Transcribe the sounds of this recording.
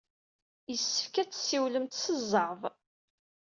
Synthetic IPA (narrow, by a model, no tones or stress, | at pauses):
jəsːə̥fkæt͡sːsːiwləmt̪səzˤːəɾvˤ